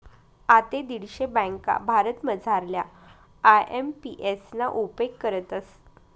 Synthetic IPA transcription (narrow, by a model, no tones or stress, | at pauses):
at̪ed̪iɽɕebə̃ŋka̰bʱaɾət̪məd͡zʱaɾlja | ajempiʔesnaʔupekːəɾət̪əs